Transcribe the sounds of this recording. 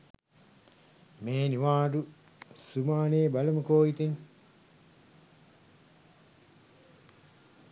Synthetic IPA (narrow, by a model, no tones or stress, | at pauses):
meːniʋaːɖu | sumaːneːbɐlɐmukoːit̪en